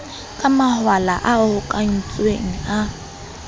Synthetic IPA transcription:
kʼamahwalaʔaʊhʊkʼaŋ̩t͡sʼweŋ̩a

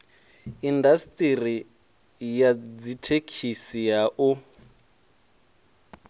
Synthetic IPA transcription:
indastʼiri | jad͡zitʰekʰisiaʔu

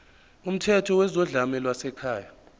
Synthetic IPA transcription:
um̩tʰɛtʰɔwɛzɔɮamɛlwasɛkʰaːja

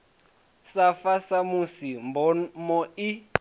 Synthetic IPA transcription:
safasamusimbɔmɔi

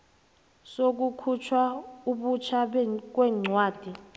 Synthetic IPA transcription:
sok̬ukʰut͡ʃʰwauɓut͡ʃʰak̬wɛŋ͡ǀʱwaːd̥ʱi

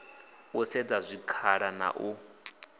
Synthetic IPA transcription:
usɛd͡zazʷikʰaɺana̰ʔu

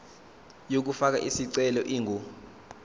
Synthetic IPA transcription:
jok̬ufak̬a̰ʔisiǀɛlɔʔiŋʱo

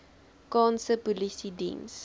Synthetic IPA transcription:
kɑːnsəpulisidḭ̃ms

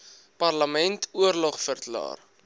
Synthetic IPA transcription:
pɐrləmɛntʰuərlɔχfərklɑ̰ːr

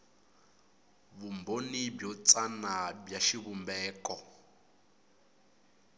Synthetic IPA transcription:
βumbonibjɔt͡sʼanabjaʃiβumbɛːkɔ

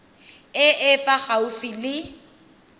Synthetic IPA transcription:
ɪʔɪfaχaufilɪ

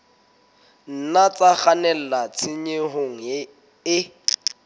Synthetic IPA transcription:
n̩nat͡saχanɛl̩lat͡sʰɪɲeɦoŋ̩ | ɪ

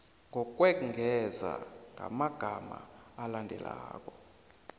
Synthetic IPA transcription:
ŋɔk̬ʼwɛŋʱɛza̰ŋɡʱamaɡ̥ʱamaːlandʱɛlaːk̬ʼɔ

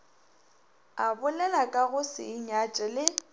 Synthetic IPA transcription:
abʊlɛlakʼaɣʊsɪ̰iɲat͡ʃʼɛlɪ

